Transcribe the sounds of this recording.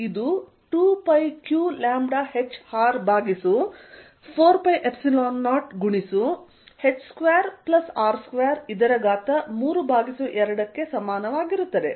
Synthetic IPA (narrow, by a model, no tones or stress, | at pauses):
id̪u | ʈuːpɐjkjuːlaːmɖaːhet͡ʃːhaːɾbʱaːɡisu | pʰoːɾpɐjʔepsiloːnːaːʈɡuɳisu | he̞t͡ʃːskʋeːɾplɐsaːɾskʋeːɾid̪ɐɾɐɡaːt̪ɐmuːɾubʱaːɡisuʔɛɾɐɽɐkːe̞sɐmaːnɐʋaːɡiɾut̪ːɐd̪e̞̰